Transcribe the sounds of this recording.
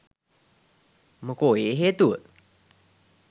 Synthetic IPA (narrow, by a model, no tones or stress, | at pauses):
məkoeɦet̪ut̪̚